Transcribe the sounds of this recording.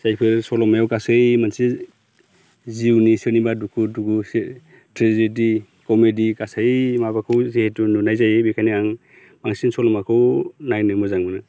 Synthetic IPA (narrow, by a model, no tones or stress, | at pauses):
sajpʰɯɾsɔlɔmajawkasɯjmansi | ziwnisɯnibadukʰudukʰus | tʰɾezedi | kɔmedikasajmabakʰɯwzehetununajzajebikʰaniaŋ | b̥aŋsinsɔlɔmakʰɯwnajnɯmɔzaŋmɯnɯ